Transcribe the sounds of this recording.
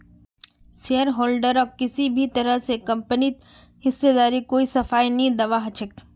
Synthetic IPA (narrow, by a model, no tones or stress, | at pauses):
seəɾɦoːlɖəɾɔːkɪsibʱit̪ɐɾəɦsekɐ̃mpənit̪̚ | hɪsːed̪aːɾikoːisɐfaːinĩd̪ɐʋaɦɐt͡ʃʰək